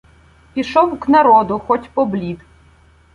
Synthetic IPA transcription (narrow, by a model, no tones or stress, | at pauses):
pʲiʃɔwknɐɾɔd̪ʊxɔtʲpɔblʲid̪